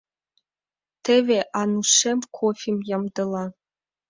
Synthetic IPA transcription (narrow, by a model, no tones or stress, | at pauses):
t̪ʰeveʔanuʂemkʰofʲimjɑmd̪ɤlˠɑ